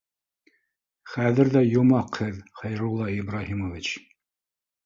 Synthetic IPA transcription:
χæðɘ̆ɾðæjomɑqhɘðχɑjɾulˠːɑibɾɑhimovit͡ɕ

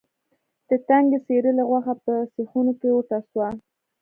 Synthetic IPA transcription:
d̪̥ət̪aŋɡəseɾəlaɣwaxapəsexunokewoʈaswa

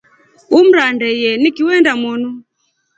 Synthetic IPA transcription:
um̩ɾandɛjɛnikiwɛndamɔnu

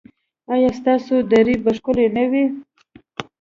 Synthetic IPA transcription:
ɑjɑst̪ɑsod̪aɾibaʂkʊlenawi

